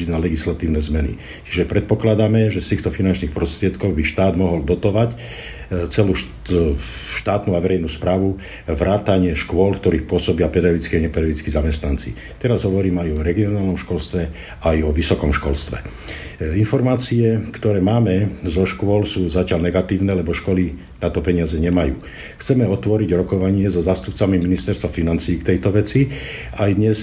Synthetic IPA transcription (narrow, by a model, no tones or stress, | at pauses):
idnalɛɡislat̪iːʊnɛːzmɛnḭ | t͡ʃi̥ʒɛpɾɛt̪̚pɔklad̪amɛʒɛst̪iːxt̪ɔfinant͡ʃniːxpɾɔst̪ɾɪɛt̪kɔɣbiʃt̪aːd̪mɔɦɔld̪ɔt̪ɔʋac | t͡sɛluːʃ | ʃt̪aːt̪nuaʋɛɾɛjnuːspɾaːʋu | ʋɾʔaːt̪aɲɪɛʃkʊɔlkt̪ɔɾiːxpʊɔsɔbɪapɾɛd̪aʋit͡skiaɲɛpɛd̪aʋit͡skizamɛst̪nant͡si | t̪ɛɾazɦɔʋɔɾiːmɛajɔɾɛɡiɔnaːlnɔmʃkɔlst̪ʋɛ | ajɔʋisɔkɔmʃkɔlst̪ʋɛ̰ | infɔɾmaːt͡siɛkt̪ɔɾɛːmaːmɛzɔʃkʊɔlsuːzacɪalnɛɡat̪iːʊnɛːlɛbɔʃkɔli | nat̪ɔpɛɲɪazɛɲɛmajṵː | xt͡sɛmɛɔt̪ʋɔɾiɟɾɔkɔʋaɲɪɛzɔzaːst̪upt͡samiminist̪ɛɾst̪ʋafinant͡siːkt̪ɛjt̪ɔʋɛt͡si | ajd̪ɲɛs